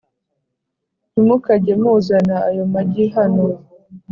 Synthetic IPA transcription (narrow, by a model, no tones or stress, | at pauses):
nimukaɟemuːzanaːjo̞maɟiɦano